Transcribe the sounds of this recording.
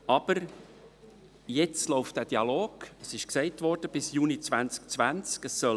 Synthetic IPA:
ɑb̥əɾ | jɛt͡stlɔʊftd̥æːd̥iɑloːɡ̥əsɪʃksɛɪtvɔɾd̥əb̥ɪsjuːnit͡svænt͡skt͡svænt͡skəsːœl

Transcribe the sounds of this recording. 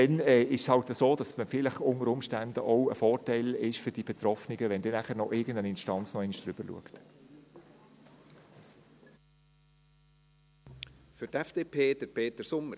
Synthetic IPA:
tɛnɛːɪʃshɑltəsoːd̥ɑsməfɪləχʊnəɾʊmʃtændəʔoə̰fɔːrtæɪlɪʃfʏɾd̥ib̥ɛt̪rɔfnɪɡəʋɛnd̥iːnæχəɾnɔʔɪɡən̩dənɪnʃtɑnt͡snɔɛɪnʃd̥ɾʏb̥əɾlṵəkt | fʏɾtɛfd̥eːpʰeːd̥əɾpʰeːt̪əɾsʊmə

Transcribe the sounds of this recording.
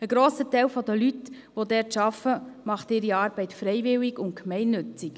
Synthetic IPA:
əɡɾoːsətɛɪlfɔd̪əlyt̪ | ʋod̪ɛːɾtʃɑfəmɑχtɪːɾiɑːɾbɛɪtfɾɛɪvɪlːiɡʊntkmɛɪnːɵt͡sik

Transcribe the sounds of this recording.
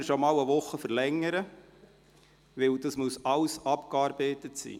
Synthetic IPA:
ʃɔmɑːləʋʊχːəfəɾlɛŋːəɾə | ʋɪwdɑsmuəsɑwsɑpkɑːɾbeɪtətsḭː

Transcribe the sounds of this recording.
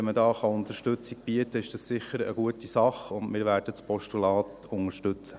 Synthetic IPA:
ɛmədɑːχɑʊnt̪əʃtɵt͡sik̚b̥iətəɪʃd̥ɑssɪχəɾə̰ɡuətisɑχʊndmɪːɾʋæɾd̥ət͡spʰɔʃtulɑːt | ʊŋəʃtɵt͡sə̥

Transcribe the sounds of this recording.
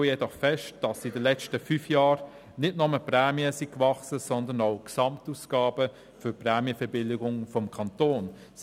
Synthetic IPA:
əjɛdɔχfɛʃt̚d̥ɑsidəlɛt͡ʃtəfyːfjɑːɾ | nɪdnɔməpɾɛːmiəsikvɑχsəsɔndənaʊksɑmtuːsɡ̥ɑːbə | fʏɾprɛːmiəfɛbɪlɪɡʊŋfɔmkʰɑntoːn | s

